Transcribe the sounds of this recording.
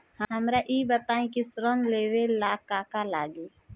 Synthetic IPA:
həɦəmɾaʔiːbət̪aːẽkisɾəmleːwelaːkaːkalaːɡe

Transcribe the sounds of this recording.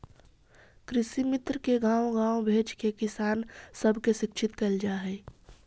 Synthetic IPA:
kɾɪsimɪt̪ɾkeɡãːwoɡãːwbʱeːt͡ʃkekɪsaːnsəbʱkeʃɪkʃʰɪt̪kɐld͡ʒaːɦɛː

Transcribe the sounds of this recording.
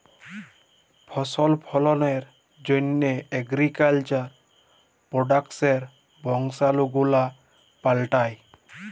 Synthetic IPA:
pʰɔsɔlpʰɔlɔneɾ | d͡ʒonːeeɡɾikalt͡ʃaɾ | pɾɔɖakseɾ | bʱɔŋsaluɡula | palʈaj

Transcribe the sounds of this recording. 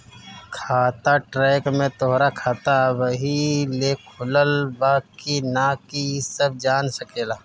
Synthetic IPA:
kʰaːt̪aʈɾɛːkmẽt̪oɦɾakʰaːt̪aʋəɦilekʰʊləlbaːkinaːkisəb̚d͡ʒaːnsəkeːlaː

